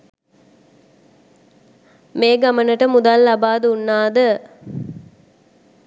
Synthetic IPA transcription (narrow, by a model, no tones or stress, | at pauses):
meːɡamənəʈəmud̪alːabaːd̪unːaːd̪ə